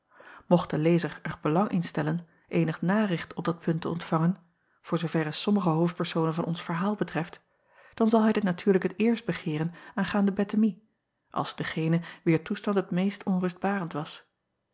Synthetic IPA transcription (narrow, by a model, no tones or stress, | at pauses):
mɔχt̚dəlejzəɹɛɹbəlɑŋʔɪnstɛlən | ʔeːjnəχnaːrɪχtɔp̚dɑt̚pʰɵntəɔ̰ntfɑŋən | v̥ʊːɹzowvɛɹəsɔməχəɦowft̚pəɹsownənvɑnʔɔ̰nsfəɹɦaːlˠbətʁɛft | d̥ɑnzɑlˠɦɛjdɪtnatʰyːɹləkɦətɪːɹsd̚bəχɪːʁənaːnχaːndəbɛtəmi | ʔɑ̰lˠz̥d̥əχejnəʋiːɹtustɑntətmejstɔnrɵsd̚baːʁəntʋɑs